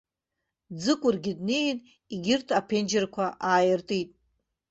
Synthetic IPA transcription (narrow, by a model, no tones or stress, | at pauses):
d͡zɨkʷʼʊrɡʲɪdnejn | iɡʲɪrtʰapʰend͡ʒɪrkʷʰaʔaːjɪrtʼitʼ